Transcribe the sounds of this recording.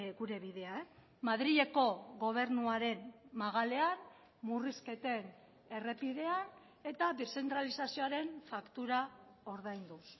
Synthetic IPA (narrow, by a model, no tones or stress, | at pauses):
ɡuɾe̞βiðe̞ae | maðɾiʎe̞ko̞ɣo̞β̞e̞ɾnuaɾe̞nmaɣ̞ale̞an | muriske̞t̪e̞n | e̞re̞piðe̞an | e̞t̪aβese̞nt̪ɾalisasio̞aɾe̞nfakt̪uɾao̞ɾðajnd̪us